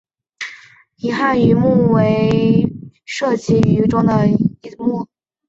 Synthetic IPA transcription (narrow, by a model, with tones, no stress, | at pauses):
i˨˩xa˥˩ny˧˥mu˥˩we˧˥ɪ | ʂɤ˥˩t͡ɕi˧˥y˧˥ʈ͡ʂʊ˥ŋd̪ə˨i˧˥mu˥˩